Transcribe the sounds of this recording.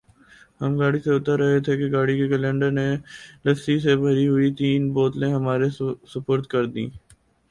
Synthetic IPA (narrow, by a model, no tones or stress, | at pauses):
həmɡaːɽiseʊt̪əɾɐɦet̪ʰekeɡaːɽikekəlɛ̃ːɳɖəɾnelɐsisebʱɐɾiɦʊit̪iːnboːt̪lẽɦɐmaːɾesəpoːɾt̪kɐɾd̪ḭ̃ː